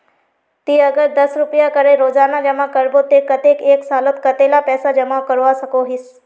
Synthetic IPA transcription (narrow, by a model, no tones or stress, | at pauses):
t̪iːɐɡəɾd̪ɐsɾʊpəjakəɾeɾoːzaːnad͡ʒɐmakəɾbot̪ekɐt̪ekeːksaːlət̪kɐt̪elapɛːsad͡ʒɐmakəɾʋasɐkoɦɪs